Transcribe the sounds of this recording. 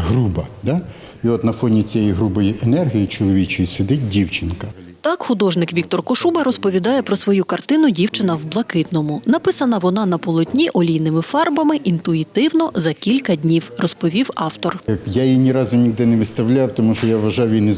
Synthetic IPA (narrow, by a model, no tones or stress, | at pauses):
ɦɾubɐd̪a | iɔt̪nɐfɔnʲit͡sʲijɛjiɦɾubɔjiʔenɛrɦʲijit͡ʃɔlˠɔʋʲit͡ʃɔjisʲɪd̪ɪt̚ʲdʲiwt͡ʃɪnkɐ | t̪ɑkxʊd̪ɔʒnɪkʋʲik̚t̪ɔrkɔʃubɐɾɔspɔʋʲid̪ɑjɛpɾɔsʋɔjukɐrt̪ɪn̪ʊdʲiwt͡ʃɪnɐwblˠɐkɪt̪nɔmʊnɐpɪsɐnɐʋɔnɑnɐpɔlˠɔt̪ʲnʲiʔɔlʲijnɪmɪfɑrbɐmɪʔint̪ʊit̪ɪwnɔzɐkʲilʲkɐdʲnʲiwrɔspɔʋʲiwɑwt̪ɔrjajinʲiɾɑzʊnʲiɦd̪ɛnɛʋɪt̪st̪ɐwlʲawt̪ɔmuʃɔjaʋʋɐʒɑjwjʲin